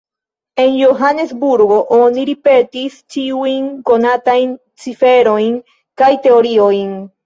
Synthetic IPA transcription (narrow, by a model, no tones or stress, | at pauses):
enjoɦanesbuɾɣoʔoniɾipet̪ist͡ʃiwiŋkonat̪aiŋ | t͡sifeɾoiŋ | kajt̪eoɾioiŋ